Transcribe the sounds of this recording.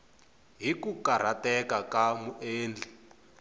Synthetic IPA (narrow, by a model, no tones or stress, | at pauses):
ɦikukaɾ̤atɛkakamuʔeːnd͡ɮʱi